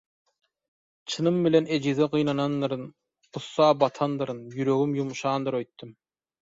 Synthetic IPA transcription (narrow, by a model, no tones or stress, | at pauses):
t͡ʃʰɯnɯmbilened͡ʒizeʁɯjnɑnɑnːɯɾɯn | qʰusːɑːbɑt̪ʰɑnd̪ɯɾɯnjyɾø̞ɣymjumʃɑːnd̪ɯɾø̞jt̪ːym